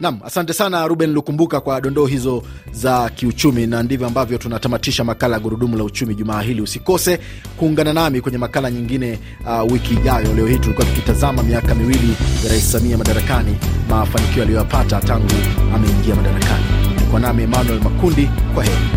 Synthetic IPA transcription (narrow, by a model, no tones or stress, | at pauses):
nam̩asantɛsanaɾuɓɛnlikumbukakwaɗɔndɔːɦizɔ | zakiut͡ʃuminandivjɔambavjɔtunatamatiʃamakalajaɠuɾuɗumulaut͡ʃumiʄumaːɦiliusikɔsɛ | kuːŋɡananamikwɛɲɛmakalaɲiŋɡinɛ | wikiːʄajɔlɛɔhitulikuwatu̥kutazamamiakamiwilijaɾaissamiamaɗaɾakanimafanikiɔalijɔjapatataŋɡuamɛiŋɡiamaɗaɾa̰ka̰nikwanamiɛmanuɛlmakundikwaɦɛi